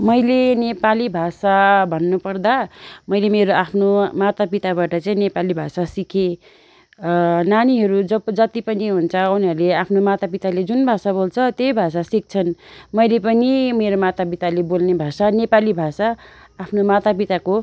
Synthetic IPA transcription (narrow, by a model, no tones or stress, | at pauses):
mʌjlenepalibʱasabʱʌnːupʌrd̪amʌjlemeɾoapʰnomat̪apit̪abaʈʌt͡saĩnepalibʱasasikʰe | naniɦʌɾud͡zʌd͡zʌt̪ipʌniɦunt͡sʰʌunʌrleapʰnomat̪apit̪aled͡zunbʱasabolt͡sʰʌt̪jejbʱasasik̚t͡sʰʌnmʌjlepʌnimeɾomat̪apit̪alebolnebʱasanepalibʱasaː | pʰnomat̪ap̬it̪ako